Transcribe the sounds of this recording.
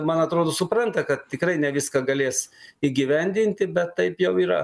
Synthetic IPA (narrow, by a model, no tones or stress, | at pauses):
mɐnɐt̪ɾoːd̪oːsʊpɾɐnt̪ɐkɐt̪̚t̪ʲɪkɾɐɪnʲɛʋʲɪskɐɡɐlʲeːsiːɡʲiʋʲɛnʲd̪ʲɪnʲt̪ʲɪbʲɛt̪ːɐɪpjɛʊiːɾɐ̰